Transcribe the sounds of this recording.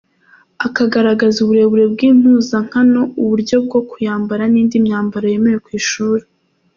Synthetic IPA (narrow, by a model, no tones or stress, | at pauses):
akaɡaɾaɡazuβuɾe̞βuɾe̞b̚ɡiːm̥uːzaŋ̥hano̞uβuɾɟo̞b̚ɡo̞kujaːmbaɾaniːndimɲaːmbaɾoje̞me̞ɾekwiːʃuːɾe